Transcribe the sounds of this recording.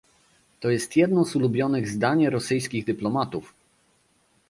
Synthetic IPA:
t̪ɔjɛst̪jɛd̪nɔzulubʲjɔnɘɣzd̪aɲɛɾɔsɘjskʲiɣd̪ɘplɔmat̪uf

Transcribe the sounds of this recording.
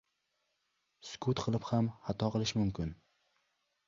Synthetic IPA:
skʰut̪qʰɨlˠɪphamhat̪ʰɒqʰɨlˠɪʃmʊmkʲɪn

